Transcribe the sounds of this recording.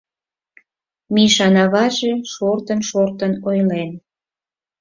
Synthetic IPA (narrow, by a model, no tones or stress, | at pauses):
miʃɑnɑβɑʒe̽ʃort̪ənʃort̪ənojlen